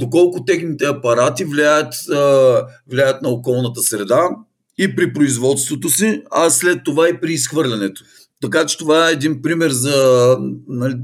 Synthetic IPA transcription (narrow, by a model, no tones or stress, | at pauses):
d̪okɔlˠkʊt̪ɛxnit̪ɛɐpɐɾat̪ivlʲiajət̪ | vlʲiajət̪nɐokɔlˠnət̪əsɾɛd̪a | ipɾipɾoizvɔt̪st̪vot̪osiɐslɛt̪ːovaipɾiːsxvɤɾlʲɐnɛt̪o̥ | t̪ɐkat͡ʃɛ̥t̪ovaɛːd̪inpɾimɛɾzɐ | nɐl